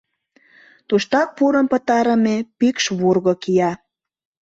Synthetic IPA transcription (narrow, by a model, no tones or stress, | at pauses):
t̪uʃt̪ɑk̚puɾə̆mpə̆t̪ɑɾə̆mepikʃβurɣokijɑ